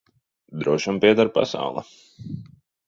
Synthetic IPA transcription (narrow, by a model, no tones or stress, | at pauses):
d̪ɾuɔʃampʲiɛd̪aɾpa̰sa̰wlˠa̰